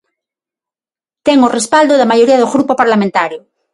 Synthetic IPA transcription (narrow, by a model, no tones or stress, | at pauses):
t̪eŋorespald̪oðemaʝoɾiaðoɣɾupopaɾlamẽnt̪aɾjo